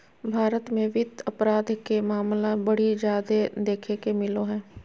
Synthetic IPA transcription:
bʱaːɾət̪mẽʋɪd̪ɐpɾaːd̪ʱkemaːmlabɐɽ̤id͡ʒaːd̪ed̪eːkʰekemɪloɦɛ̃ː

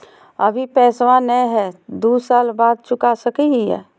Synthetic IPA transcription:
əbʱipɛːswãnəɦɛd̪usaːlbaːd̪̚t͡ʃʊkasəkiɦiɦɛ̰ː

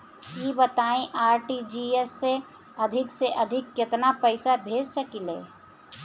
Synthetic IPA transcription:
iːbət̪aːẽʔaːɾʈid͡ʒiesːe | ɐd̪ʱɪkseʔɐd̪ʱɪkːɪt̪napəɪsabʱeːd͡ʒsəkileː

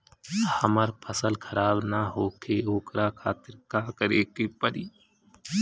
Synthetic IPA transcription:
həməɾpʰəsəlkʰəɾaːbnaɦoːkeoːkɾakʰa̰ːt̪ɪɾkaːkəɾeːkeːpəɾiː

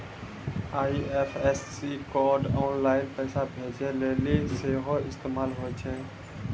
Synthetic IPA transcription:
aːeːfeːsːiːkoːɖɔːnlaːɪnpɛːsabʱeːd͡ʒeːleːliːseːɦoːɪst̪eːmaːlɦoːet͡ʃʰẽː

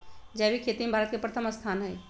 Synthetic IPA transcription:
d͡ʒɛːbʱikʰeːt̪imebʱaːɾət̪̚kepɾət̪ʰəməst̪ʰaːnɦɛː

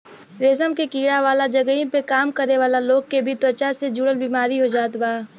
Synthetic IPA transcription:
ɾeːsəmkekiːɽaʋaːlad͡ʒɐɡəĩpekaːmkəɾneʋaːlaloːɡ̚kebʱit̪ət͡ʃased͡ʒuɽəlbiːmaːɾiɦod͡ʒaːt̪baː

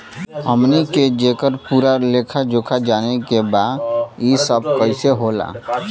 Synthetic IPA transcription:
əmniked͡ʒeːkəɾpuːɾaleːkʰad͡ʒoːkʰad͡ʒaːnekebaːd̪jisəb̚kəɪseɦoːla̰ː

